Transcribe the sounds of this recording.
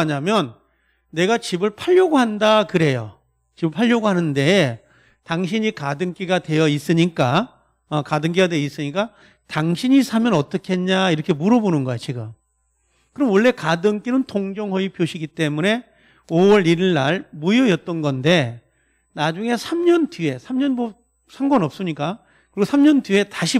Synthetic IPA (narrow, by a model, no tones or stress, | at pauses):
ɲamjʌnː | e̞ɡat͡ɕibɯɭpʰaʎːoɡoɦandakɯɾe̞jo̰ | t͡ɕibɯɭpʰaʎːʌɡoɦanɯnde̞ | taŋɕʰiɲikadɯŋk͈iɡadwe̞jʌis͈ɯɲik͈a | ʌkadɯŋk̬͈iɡadwejʌis͈ɯɲik͈a | taŋɕʰiɲisʰamjʌnʌt͈ʌkʰeenɲaiɾʌkʰe̞muɾʌbonɯnɡʌjʌt͡ɕ͈ʰiɡʌ | kɯɾʌmwʌɭːe̞kadɯŋk͈inɯntʰoŋd͡ʑʌŋɦʌipjoɕʰiɡit͈e̞mune̞ | owʌɾiɾɭːaɭmujojʌt͈̚ʌnɡʌnde̞ | nad͡ʑuŋe̞sʰamɲʌntie̞sʰamɲʌnbo | sʰaŋɡwʌnʌp̚s͈ɯɲik͈a | kɯɾiɡosʰamɲʌndue̞taɕʰi